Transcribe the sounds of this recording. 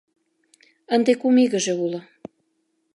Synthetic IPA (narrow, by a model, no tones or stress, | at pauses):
ə̆nd̪ekumiɣə̆ʒĕulɤ